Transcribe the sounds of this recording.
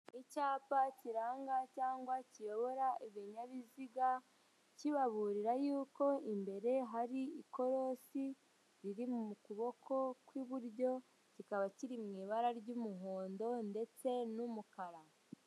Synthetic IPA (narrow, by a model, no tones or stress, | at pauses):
icaːpaciɾaːŋɡacaːŋɡwacijo̞βo̞ɾaiβiɲaβiziɡa | ciβaβuɾiɾajuːko̞imbe̞ɾe̞ɦaɾiiko̞ɾo̞si | ɾiɾimumukuβo̞kʰo̞kwiβuɾɟo̞ | cikaβaciɾimŋiːβaɾaɾɟumuɦoːndo̞nde̞t͡se̞numukaɾa